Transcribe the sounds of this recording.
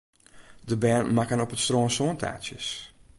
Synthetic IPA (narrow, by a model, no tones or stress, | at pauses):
dəbɛːnmakənɔpətstroːnsoːntʰa̰ːtsjəs